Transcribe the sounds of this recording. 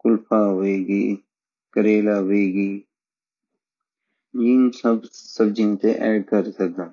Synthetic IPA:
kʊlfaːɦoeːɡiː | kəɾeːlaɦoeːɡiː | jiːnsɐbsɐb̚d͡ʒɪnt̪ẽʔɛːɖkɐɾsɐk̚d̪aː

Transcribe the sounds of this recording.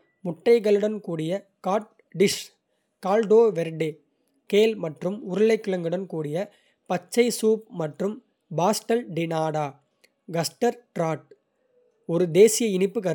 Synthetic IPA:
mʊʈːɐɪɣɐɭɯɽɐnkuːɽɪjɐ | kaːʈ̚ | ɖɪʂ | kaːlɖoːʋɛɾɖeː | keːlmɐʈrɯmʊɾɯɭɐɪkːɯɭɐŋɡɯɽɐnkuːɽɪjɐ | pɐt͡ʃːɐɪsuːp̚mɐʈrɯm | baːsʈɐlɖɪnaːɽaː | ɡɐsʈɐɾʈɾaːʈ̚ | ɔɾɯd̪eːsɪjɐɪnɪpːɯkɐɾ

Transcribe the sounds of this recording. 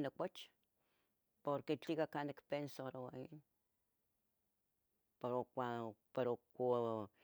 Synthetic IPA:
nakʷat͡ʃ | poɾket͡ɬikakanekpensoɾawain | peɾokʷapeɾokʷo

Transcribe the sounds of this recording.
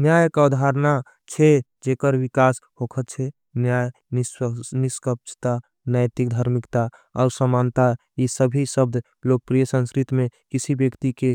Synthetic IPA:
njajkaud̪ʱaɾna | t͡ʃʰɛ | d͡ʒekəɾʋikashokʰət̪t͡ʃʰɛ | njaj | niskəp̚t͡ʃʰt̪a | najt̪ik̚d̪ʱəɾmikt̪a | ɔːɾsəmant̪a | isəbʱisəb̚d̪ʱ | lok̚pɾijəsə̃nskɾit̪mẽkisʰibjəkt̪ike

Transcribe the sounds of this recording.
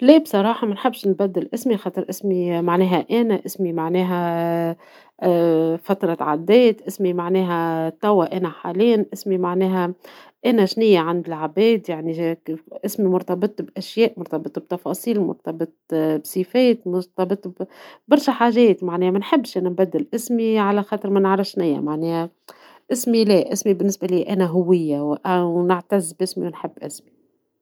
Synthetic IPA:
lɛːbsˤɑɾˤɑːħɑmænħɪbːʃnbæd̪ːɪlʔɪsmixɑːt̪ˤɨɾʔɪsmimaʕnɛːɦæʔænæʔɪsmimaʕnɛːɦæ | fæt̪ɾˤɑt̪ʕad̪ːɛːt̪ʔɪsmimaʕnɛːɦæt̪ɑwːaʔænæħaːliːanʔɪsmimaʕnɛːɦæ | ʔænæʒnɪjːaʕand̪ɪlʕabɛːd̪jaʕniʔɪsmimʊɾt̪ɑbɨt̪ˤbʔæʃjɛːʔmʊɾt̪ɑbɨt̪ˤb̚t̪ɑfɑsˤiːlmʊ̰ɾt̪ɑbɨt̪ˤbsifɛːt̪mʊɾt̪ɑbɨt̪ˤbbɑɾˤʃæħaːʒɛːt̪maʕnɛːhæmænħɪbːʃʔænæmbæd̪ːɪlʔɪsmiʕalæxɑːt̪ˤɨɾmænʕɾˤɑfʃnɪjːa̰maʕnɛːhæ | ʔɪsmilɛːʔɪsmibɪnːɪsbæliːʔænæɦʊwːɪjːawʔæwnɪʕt̪azːbʔɪsmḭwnħɪbːʔɪsmi

